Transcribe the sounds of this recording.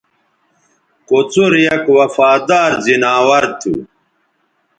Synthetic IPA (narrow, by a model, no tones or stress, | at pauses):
kot͡suɾjɐkwɐfaːd̪aːɾzinaːwɐɾt̪ʰṵ